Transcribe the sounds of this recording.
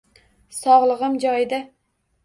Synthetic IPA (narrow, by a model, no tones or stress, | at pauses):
sɒʁlˠɨʁɨmd͡ʒɒjd̪a